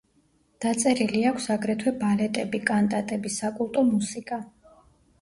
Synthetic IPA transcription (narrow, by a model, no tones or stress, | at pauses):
d̪̥at̪sʼɛɾiliakʷʰsaɡɾɛt̪ʰwɛbalɛt̪ʼɛbikʼant̪ʼat̪ʼɛbisakʼulˠt̪ʼɔmusikʼa